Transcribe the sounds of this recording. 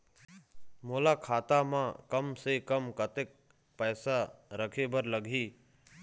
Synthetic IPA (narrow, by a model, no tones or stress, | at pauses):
moːlaːkʰaːt̪aːmãːkəmseːkəmkət̪ek̚ | pəːsaɾəkʰeːbəɾləɡʱiː